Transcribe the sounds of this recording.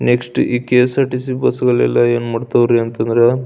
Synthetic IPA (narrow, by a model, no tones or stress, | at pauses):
nekʂʈiːkeːsɐʈisibɐsɐɡɐɭɛ̰lːɐeːnmɐɽt̪ɐʋɾiɐnt̪ɐnd̪ɐɾe